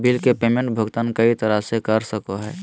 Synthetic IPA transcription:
bilkepeːmẽɳʈ̚bʱəɡt̪ankəit̪əɾasekəɾsəkoɦɛː

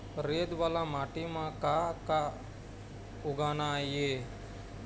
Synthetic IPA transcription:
ɾeːd̪ʋaːlaːmaːʈimãːkaːka | ʊɡaːnaːjeː

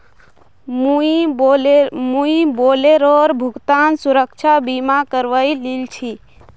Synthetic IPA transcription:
muiomuiboːleɾɔɾbʱʊɡt̪ansuɾəkt͡ʃʰabimakəɾʋəililt͡ʃʰi

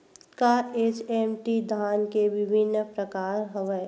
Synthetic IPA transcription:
kaeːt͡ʃɛmʈid̪ʱaːnkeʋɪbʱɪnːpɾəkaːɾɦəʋə

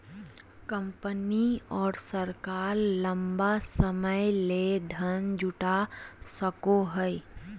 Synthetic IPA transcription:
kə̃mpəniɔːɾsəɾkaːɾlɐ̃mbasəməjled̪ʱənd͡ʒʊʈasəkoɦəɪ

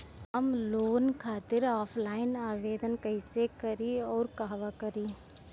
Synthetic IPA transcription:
ɦɐmloːnkʰaːt̪ɪɾaːpʰlaːɪnaːʋeːd̪ənkɐɪsekɐɾiɔːɾkaːɦʋakɐɾiː

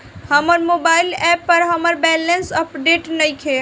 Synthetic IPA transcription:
həməɾmobaɪlɛpːəɾɦəməɾbɛlənsəpɖeʈnəjkʰe

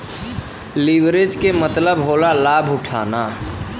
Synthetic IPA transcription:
liʋɾed͡ʒkemət̪ləbɦolalabʱuʈʰa̰na

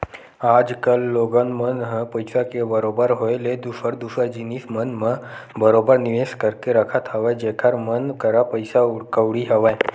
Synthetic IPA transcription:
aːd͡ʒkəlːoːɡənmənɦəpɐɪsakebəɾoːbəɾɦoeled̪uʃəɾd̪uʃəɾd͡ʒinismənmə̃bəɾoːbəɾnɪʋeːskəɾkeɾəkʰət̪ɦəʋed͡ʒeːkʰəɾmənkəɾapəɪsaʊɽkəʋɽiɦɐʋa

